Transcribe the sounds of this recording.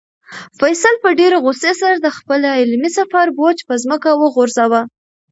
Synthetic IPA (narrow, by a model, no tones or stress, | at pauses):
fajsalpəɖeɾeɣosesaɾad̪əxpəlaɪlmisafɑɾbot͡ʃpəzməkawəɣoɾzawa